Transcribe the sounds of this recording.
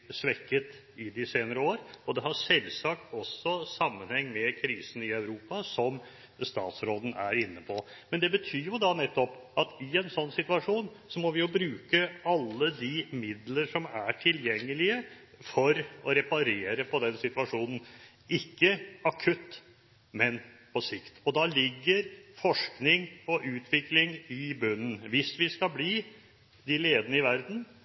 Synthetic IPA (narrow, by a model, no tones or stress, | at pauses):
sʋɛkːət̪ | ɪd̪ɪseːnəɾəoːɾɔd̪ɛɦɑsɛlsɑk̚t̪ɔsːɔsɑmːənhɛŋːmɛkʰɾiːsən̩ɪœʉɾuːpɑsɔm | st̪ɑ̰ːt̪sɾoːd̪ən̩æ̰ɾɪnːəpʰɔ | mɛnd̪ɛbət̪ʰyːjʊd̪ɑnɛt̪ːɔpɑt̪ɪɛnsɔnːsɪt̪ʉɑʂuːn | sɔmɔʋɪjʊbɾʉːkəɑlːəd̪ɪmɪd̪ləɾʂɔmæʈʰɪljɛŋːəlɪə | fɔɾɔɾɛpɑɾeːɾəpʰɔd̪ɛnsɪt̪ʉɑʂuːnn̩ | ɪkːəɑkʰʉt̪ː | mɛnpʰɔsɪkt̪ɔd̪ɑlɪɡːəɾfɔʂknɪŋɔʔʉːt̪ʰʋɪklɪŋɪbʉnːən̩ʋɪsʋɪskɑbliː | d̪ɪleːd̪ənəɪʋæɾd̪n̩